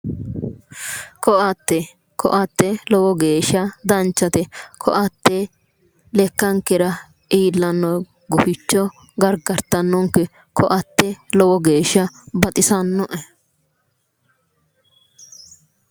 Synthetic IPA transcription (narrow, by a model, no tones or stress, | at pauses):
kɔʔɐt̪ːɛ | kʰɔ̰ʔɐt̪ːɛlɔwɔɡeːʃːɐd̪ɐnt͡ʃːɐt̪ɛkʰɔ̰ʔɐt̪ːɛ | lɛkːɐŋkːɛɾɐ | iːlːɐnːɔj | ɡʊfɪt͡ʃːɔ | ɡɐɾɡɐɾt̪ːɐnːɔŋkɛ | kʰɔʔɐt̪ːɛlɔwɔɡeːʃːɐbɐt̪ʼɪsɐnːɔʔɛ